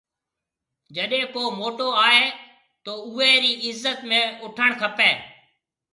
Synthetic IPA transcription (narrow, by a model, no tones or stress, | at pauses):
d͡ʒəɗẽːkoːmoːʈoaːɦeː | t̪oːʊɦeːɾiːɪzːət̪mẽːʊʈʰəɽ̃kʰəpeː